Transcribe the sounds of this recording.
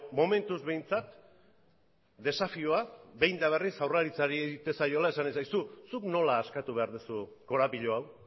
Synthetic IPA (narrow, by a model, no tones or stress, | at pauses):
mo̞me̞nt̪uzβe̞jnt͡sat̪ | d̪e̞safioaβe̞jnd̪aβ̞e̞risawraɾit͡saɾieit̪e̞sajo̞lae̞sanisajsusukno̞laːskat̪uβe̞aɾðusu | ko̞ɾapiʎoaw